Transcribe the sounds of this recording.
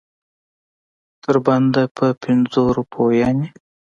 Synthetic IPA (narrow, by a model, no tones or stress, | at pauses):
t̪əɾband̪apʰəpʰɪnzoɾupʰojɑni